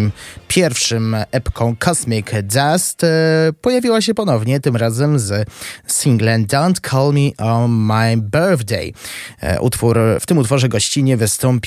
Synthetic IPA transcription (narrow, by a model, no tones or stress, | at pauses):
mpʲjɛɾfʂɘmɛpkʰɔ̃w̃kʰɔsmʲikdast̪pɔjavʲiwaɕɛpɔnɔvɲɛt̪ɘmɾazɛmzsiŋɡlɛnd̪awnt̪kʰɔlmʲiʔɔmajbɛɾðd̪ɛ̰j | ṵt̪fuɾft̪ɘmut̪fɔʐɛɡɔɕt͡ɕiɲɛvɘst̪ɔmpʲ